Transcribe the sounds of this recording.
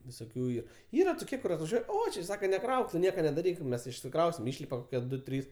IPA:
ʋʲɪsoːˈkʲuː ˈiːr ˈiːrɐ toːˈkʲiɛ kʊr ɐtʋɐˈʒʲuɔj ˈoː t͡ʃʲɪ ˈsɑːkɐ nʲɛˈkrɐʊk tʊ ˈnʲiɛkɐ nʲɛdɐˈrʲiːk ˈmʲɛs ɪʃʲsʲɪkˈrɐʊsʲɪm ˈɪʃʲlʲɪpɐ ˈdʊ ˈtʲrʲiːs

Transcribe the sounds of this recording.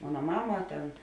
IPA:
ˈmoːnɐ ˈmɑːmɐ ˈtʲɛn

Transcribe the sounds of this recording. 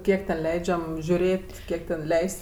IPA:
ˈkʲiɛk tʲɛn ˈlʲɛɪd͡ʒʲɛm ʒʲʊˈrʲeːtʲ ˈkʲiɛk tʲɛn ˈlʲɛɪsʲtʲsʲ

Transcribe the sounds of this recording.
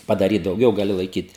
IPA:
pɐdɐˈrʲiːt dɐʊˈɡʲɛʊ ɡɐˈlʲɪ lˠɐɪˈkʲiːt

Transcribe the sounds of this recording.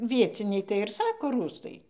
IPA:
ˈʋʲiɛt͡sʲɪnʲɛɪ tɐɪ ɪr ˈsɑːkoː ˈruːstɐɪ

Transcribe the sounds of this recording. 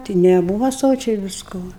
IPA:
ˈtʲɪ nʲɛˈbuːʋɐ ˈsoːt͡ʃʲɛɪ ʋʲɪsˈkoː

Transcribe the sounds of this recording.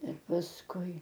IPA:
ɪr pɐsˈkʊɪ

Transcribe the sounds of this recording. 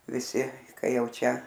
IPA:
ʋʲɪˈsʲɪ ˈkɐɪ ˈjɛʊ ˈt͡ʃʲɛ

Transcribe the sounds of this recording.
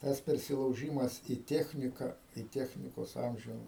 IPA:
ˈtɐs pʲɛrʲsʲɪlˠɐʊˈʒʲiːmɐs iː ˈtʲæːxʲnʲɪkɐ iː ˈtʲæːxʲnʲɪkoːs ˈɐmʲʒʲʊ

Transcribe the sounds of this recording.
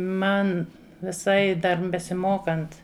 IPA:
ˈmɐn ʋʲɪˈsɐɪ dɐr bʲɛsʲɪˈmoːkɐnt

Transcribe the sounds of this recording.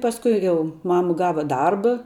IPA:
pɐsˈkʊɪ ˈjɛʊ ˈmɑːmɐ ˈɡɑːʋɐ ˈdɐrbɐ

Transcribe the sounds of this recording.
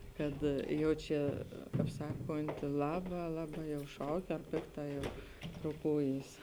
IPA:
ˈkɐt ˈjɛʊ t͡ʃʲɛ kɐp ˈsɑːkoːnʲtʲɪ ˈlˠɑːbɐ ˈlˠɑːˌbɑː jɛʊ ˈʃɐʊk ɐr ˈpʲɪkˌtɑː jɛʊ roːˈkuːjiːs

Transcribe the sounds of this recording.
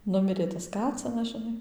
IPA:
ˈnʊmʲɪrʲeː tɐs ˈkɑːt͡sʲɪnɐs ʒʲɪˈnɐɪ

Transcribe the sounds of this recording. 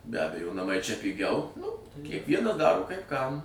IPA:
bʲɛ ˈɑːbʲɛjoː nɐˈmɐɪ t͡ʃʲɛ pʲɪˈɡʲɛʊ ˈnʊ kʲiɛkˈʋʲiɛnɐ ˈdɑːroː kɐɪp kɐm

